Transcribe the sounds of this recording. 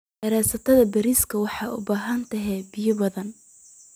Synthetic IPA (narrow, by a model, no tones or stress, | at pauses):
ʔɐɾɛːsɐt̪ʰɐðɐbɐɾiːskʰɐwɑħɑːʔʊ̰baːɦɐnt̪ʰɐɦɛːbɪjɐbɐðɐn